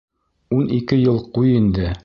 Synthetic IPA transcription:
unikɘjɤlˠqujind̪ɘ

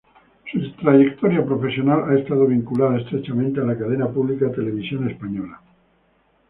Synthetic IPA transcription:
sut̪ɾaʝe̞kt̪o̞ɾjapɾo̞fe̞sjo̞nalae̞st̪aðo̞β̞iŋkulað̞aest̪ɾet͡ʃamẽnt̪ealakað̞enapuβlikat̪e̞le̞β̞isjo̞ne̞spaɲo̞la

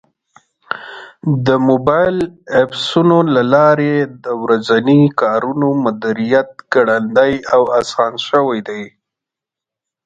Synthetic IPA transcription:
d̪əmobɑjlapsunolalɑɾed̪əwɾazanikɑɾunomʊd̪iɾijat̪̚ɡ̥aɽand̪ajawasɑnʃəwajd̪aj

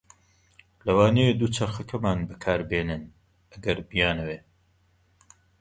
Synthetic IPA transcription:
lɐwaːnejed̪uːt͡ʃʰɐxɐkʰɐmaːnbɨkʰaːɾbeːnɨn | ɐɡɐɾbijaːnɐweː

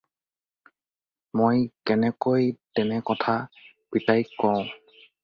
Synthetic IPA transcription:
mojkɛnɛkojtɛnɛkɔtʰa | pitajkɔʊ̃

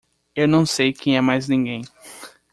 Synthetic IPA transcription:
ewnɐ̃w̃sejkẽj̃ɛmajznĩɡẽj̃

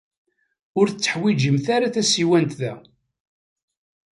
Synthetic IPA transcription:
ʊɾθət͡sːə̥ħwid͡ʒəmθaɾaθæsiwænt̪ðæ

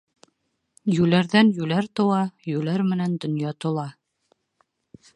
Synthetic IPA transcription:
jʉlæɾðænjʉlæɾt̪ŏwɑjʉlæɾmɘ̆nænd̪ŏnjɑt̪ŏlˠɑ

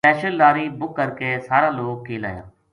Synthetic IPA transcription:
pɛːʃəldaːɾiːbʊkːəɾkesaːɾãːloːɡ̚kʰeːla̰ːjã̰ː

